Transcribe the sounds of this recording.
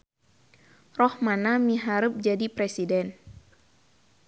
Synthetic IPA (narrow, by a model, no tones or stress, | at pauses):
rɔhmanamiɦaɾəp̚d͡ʒadipɾɛsidɛn